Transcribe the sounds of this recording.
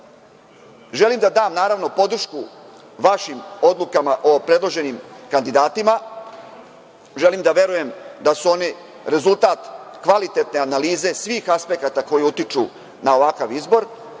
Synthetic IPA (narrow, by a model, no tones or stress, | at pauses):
ʒe̞limd̪ad̪aːmnaːɾaʋno̞po̞d̪r̩ʃku | ʋaʃimo̞d̪lˠukamaʔo̞pɾe̞d̪lˠo̞ʒe̞nimkand̪id̪aːt̪ima | ʒe̞limd̪aʋe̞ɾuje̞md̪asuo̞ne | ɾe̞zult̪aːt̪kʋalit̪e̞t̪ne̞analiːze̞sʋiːxaspekat̪ako̞jiut̪it͡ʃu | nao̞ʋakaʋizbo̞ɾ